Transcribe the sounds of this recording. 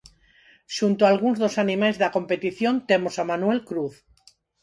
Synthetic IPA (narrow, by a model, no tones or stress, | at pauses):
ʃunt̪oalɣ̞unzðosanimajzðako̞mpe̞t̪iθjont̪emosamanwelkɾuθ